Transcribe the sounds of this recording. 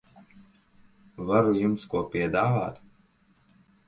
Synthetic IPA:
vaɾujumskuɔpiɛd̪aːva̰ːt̪

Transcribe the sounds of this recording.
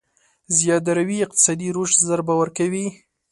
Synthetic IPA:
zjɑd̪aɾawiɪq̚t̪ɪ̥sɑd̪iɾoʃzəɾbawəɾkawi

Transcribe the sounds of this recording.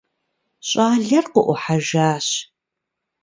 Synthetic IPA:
ɕʼaːɮɐrqəʔʷʊħaʒaːɕ

